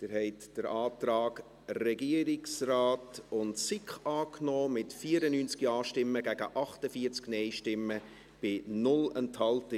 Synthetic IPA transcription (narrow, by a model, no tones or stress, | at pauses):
d̥ɪɾhɛɪtd̥əɾaːtraːk | rɛɡiəɾɪksraːtʊntsɪkχɑːknɔːmɪtfiːəɾənynt͡skiɑːʃtɪmːəɡæɡəʔɑχtəfiːəɾt͡sknɛɪʃtɪmːə | b̥ɪnʊlɛnthɑltə